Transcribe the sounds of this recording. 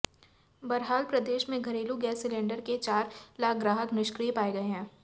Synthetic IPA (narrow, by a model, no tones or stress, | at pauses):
bɐɾɦaːlpɾɐd̪eːʃmẽɡʱɐɾeːluɡɛːsːɪlẽːɳɖəɾket͡ʃaːɾlaːk̚ɡɾaːɦəknɪʃkɾijepaːeɡɐeɦɛ̃ː